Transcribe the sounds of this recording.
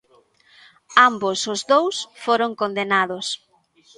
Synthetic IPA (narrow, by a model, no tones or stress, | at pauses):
ambosʊzðowsfoɾoŋkond̪enaðʊs